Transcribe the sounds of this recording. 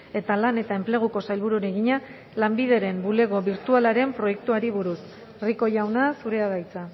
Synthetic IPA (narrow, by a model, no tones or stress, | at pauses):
e̞t̪alane̞t̪ae̞mple̞ɣ̞uko̞sajlβuɾuɾeɣiɲa | lambið̞e̞ɾe̞mbule̞ɣo̞βiɾt̪ualaɾe̞mpɾo̞je̞k̚t̪uaɾiβuɾus | riko̞jawnasuɾe̞að̞ajt͡sa